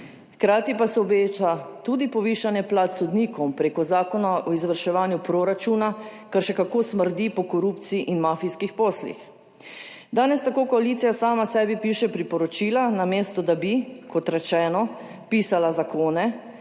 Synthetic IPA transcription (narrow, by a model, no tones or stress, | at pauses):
xkɾaːt̪ipasɛɔbeːt͡ʃat̪ud̪ipɔʋiːʃanjɛplat̪sɔd̪niːkɔwmpɾeːkɔzaːkɔnaʔɔizʋəɾʃɛʋaːnjupɾoɾat͡ʃunakaɾʃɛkakoːsməɾd̪ipɔkɔɾupt̪siiʔinmaːfiskixpɔːslḭx | d̪aːnɛst̪akoːkɔaliːt̪sijasaːmasɛːbipiːʃɛpɾipɔɾɔt͡ʃiːlanameːst̪ɔd̪abikʰɔt̪ɾɛt͡ʃɛːnɔ | piːsalazakoːnɛ